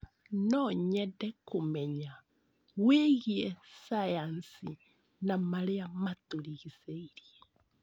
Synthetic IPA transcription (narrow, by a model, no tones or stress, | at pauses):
nɔɲɛdɛkomɛɲa | weɣiɛsajansi | namaɾeamatuliɣiseiɾie